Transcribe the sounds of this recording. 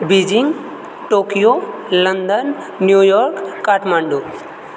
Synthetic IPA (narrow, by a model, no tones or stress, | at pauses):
bid͡ʒiŋɡ | ʈoːkijo | lənd̪ənː | jujɔɾkːaʈmaɳɖo